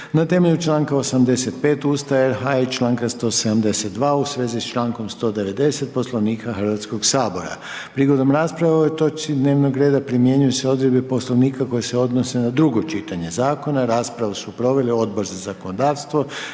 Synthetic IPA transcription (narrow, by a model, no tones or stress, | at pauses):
nat̪e̞meʎut͡ʃlaːŋkaosamd̪e̞set̪̚pe̞ːt̪uːst̪aeɾxaet͡ʃlˠaːŋkast̪o̞ːsed̪amd̪e̞set̪̚d̪ʋaːusʋe̞ːzist͡ʃlˠaːŋko̞mst̪o̞ːd̪e̞ʋe̞d̪e̞set̪̚po̞slˠo̞ʋniːkaxr̩ʋat̪sko̞ɡsaːbo̞ɾa̰ | pɾiɡo̞d̪omɾaːspɾaʋaot̪o̞t͡ʃid̪neːʋnoɡɾe̞ːd̪apɾimje̞ɲujuseo̞d̪ɾed̪bepo̞sloʋniːkako̞jeseo̞d̪nosenad̪ɾuɡo̞t͡ʃit̪aɲe̞zaːko̞naɾaːspɾaʋusupɾo̞ʋe̞lio̞d̪bo̞ɾzazako̞no̞d̪aːɾst̪ʋo̞